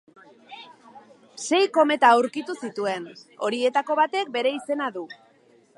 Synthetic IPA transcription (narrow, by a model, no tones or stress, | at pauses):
se̞jko̞me̞t̪aːwɾkit̪usit̪ue̞no̞ɾie̞t̪ako̞βat̪e̞k̚be̞ɾe̞ise̞naðu